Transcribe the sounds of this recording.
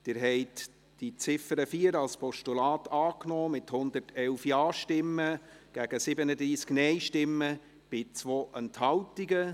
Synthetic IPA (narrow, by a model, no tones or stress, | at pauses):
d̥ɪɾɦɛɪt | d̥it͡sɪfəɾəfiːəɾɑlspɔʃtulɑːtɑːknɔːmɪthʊnd̪ərtʰɛlfjɑːʃtɪmːə | ɡ̥æɡ̥əsɪbənədɾiːsknɛɪʃtɪmːə | b̥ɪt͡svoːʔənthɑwtiɡə